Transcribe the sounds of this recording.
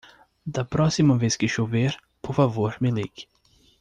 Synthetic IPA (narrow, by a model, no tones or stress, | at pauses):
d̪ɐpɾɔsimɐveskɪʃoveɾ | poɾfavoɾmɪliɡ